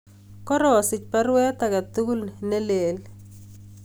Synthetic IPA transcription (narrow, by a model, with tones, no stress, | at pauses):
kɔ˦ɾɔ˨sɪ˨t͡ʃpa˦ɾwɛ˦t̪a˨ka˨t̪u˦ɡu˦lne˦le˨l